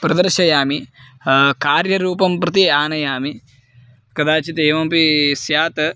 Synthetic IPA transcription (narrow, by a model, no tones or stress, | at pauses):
pɾɐd̪ɐɾʃɐjaːmi | kaːɾjɐɾuːpɐmpɾɐt̪̬iaːnɐjaːmi | kɐd̪aːt͡ʃit̪eːʋɐmpisjaːt̪ɐ